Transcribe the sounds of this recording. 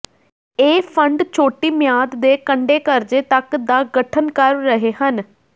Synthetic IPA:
eːpʰəɳɖt͡ʃʰoːʈiːmɪjaːd̪d̪eːkəɳɖeːkəɾd͡ʒeːt̪əkd̪aːɡəʈʰənkəɾːəɦeːhən

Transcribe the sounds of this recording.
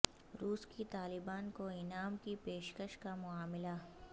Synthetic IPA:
ɾuːskit̪aːlɪbaːnkoɪnaːmkipeːʃkəʃkamʊaːmɪla

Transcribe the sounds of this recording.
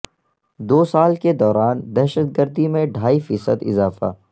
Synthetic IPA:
d̪oːsaːlked̪ɔːɾaːnd̪ɛːʃət̪̚ɡəɾd̪imẽɖʱaːifiːsəd̪ɪ̰zaːfa̰

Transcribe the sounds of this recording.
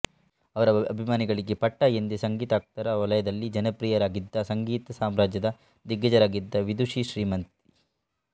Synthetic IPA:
ɐʋɐɾɐɐbʱimaːniɡɐɭiɡe̞pɐʈːajend̪esɐŋɡiːt̪aːk̚t̪ɐɾɐʋɐlɐjɐd̪ɐlːid͡ʒɐnɐpɾiːjɐɾaːɡid̪ːɐsɐŋɡiːt̪ɐsaːmɾaːd͡ʒjɐd̪ɐ | d̪iɡɐd͡ʒɐɾaːɡid̪ːɐʋid̪uʂiʃɾiːmɐnt̪i

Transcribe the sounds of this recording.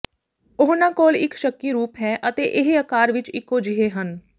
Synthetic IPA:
ʊɦnãːkoːlɪkʃəkːiːɾuːpɦɛːʔət̪eːʔɪɦeəkaːɾʋɪt͡ʃɪkːoːd͡ʒiɦeːɦən

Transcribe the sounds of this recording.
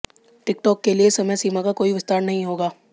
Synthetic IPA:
ʈɪk̚ʈɔːkːeliesɐməjsiːmakakoːiʋɪst̪aːɾnɐɦĩɦoːɡaː

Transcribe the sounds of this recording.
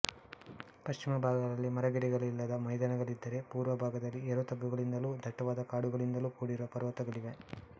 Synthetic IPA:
pɐʃt͡ʃimɐbʱaːɡɐd̪ɐlːimɐɾɐɡɛɽiɡɐɭilːɐd̪ɐmɐjd̪anɐɡɐɭid̪ːɐɾe̞puːɾʋɐbʱaːɡɐd̪ɐlːiɛɾut̪ɐɡːuɡɐɭind̪ɐluːd̪ʱɐʈːɐʋaːd̪ɐkaːɽuɡɐɭind̪ɐluːkuːɽiɾuʋɐpɐɾʋɐt̪ɐɡɐɭiʋe

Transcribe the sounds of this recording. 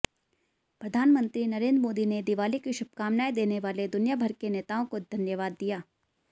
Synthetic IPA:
pɾɐd̪ʱaːnmə̃nt̪ɾinɐɾẽːnd̪ɾmoːd̪ined̪iʋaːlikiʃʊb̚ʱkaːmnaːid̪eːneʋaːled̪ʊnjabʱɐɾkeneːt̪aːõkod̪ʱɐnjəʋaːd̪ːijaː

